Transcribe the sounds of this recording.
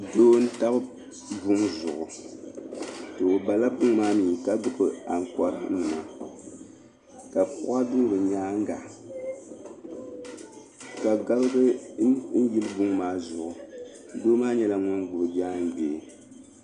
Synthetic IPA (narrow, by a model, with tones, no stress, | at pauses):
doː˦n̩˦ta˦bɨ˦ | bʊ˦ŋzʊ˨ʔʊ˨ | tɨ˨o˨ba˨la˦bʊ˦ŋ˦maː˦miː˨ka˦bɨ˨kɨ˨a˨ŋ˨kɔ˦ɾɨ˦n̩˨ma˨ | ka˨pʊ̰˦a˦dʊ˦ŋ˦bɨ˨ɲaː˦ŋ̩˦ɡa̰˨ | ka˨ɡa˦bɨ˦ɡɨ˦n̩˦ji˦lɨ˦bʊ˦ŋmaː˦zʊ˨ʔʊ˨˦ | doː˦maː˦ɲɛ˦la˨ŋʊ˦nɡʊ˨bɨ˨d͡ʒaː˦n˦beː˨